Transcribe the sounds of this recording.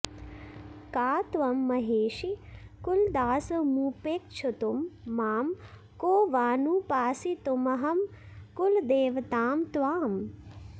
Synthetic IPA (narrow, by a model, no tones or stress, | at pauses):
kaːt̪ʋɐmːɐɦeːʃikuld̪aːsɐmuːpeːkt͡ʃʰut̪umːaːm | koːʋaːnupaːsit̪umɐɦɐmkuld̪eːʋɐt̪aːmt̪ʋaːm